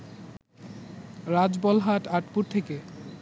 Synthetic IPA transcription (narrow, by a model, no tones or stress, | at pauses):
ɾad͡ʑbɔlɦaʈaʈpuɾt̪ʰeke